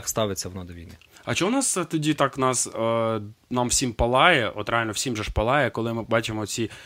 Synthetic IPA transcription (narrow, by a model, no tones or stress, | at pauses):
kst̪ɑʋɪt͡sʲːɐwɔnɔd̪ɔʋʲiniɐt͡ʃɛwnɑst̪ɔdʲit̪ɑknɑs | nɑmwsʲimpɐlˠɑjɛʔɔt̪ɾealʲnɔwsʲimʒɛʃpɐlˠɑjɛkɔlˠɪmɪbɑt͡ʃɪmɔt͡sʲi